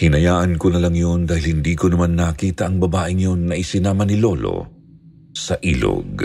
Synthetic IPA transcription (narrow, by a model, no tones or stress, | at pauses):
hɪnɐjaːʔɐnkonɐlaŋjond̪aːhɪlhɪnd̪iːkonɐmanːakiːt̪ɐʔɐŋbɐbaːʔɪŋjonːɐʔɪsɪnaːmɐnɪlo̞lo̰ | sɐʔḭːlo̰ɡ